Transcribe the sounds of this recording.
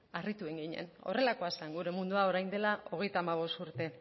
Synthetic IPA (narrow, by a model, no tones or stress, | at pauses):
arit̪ue̞ŋɡiɲe̞̰no̞re̞lako̞asaŋɡuɾe̞mund̪uao̞ɾajnd̪e̞lao̞ɣe̞jt̪aːmaβ̞o̞st̪uɾt̪e̞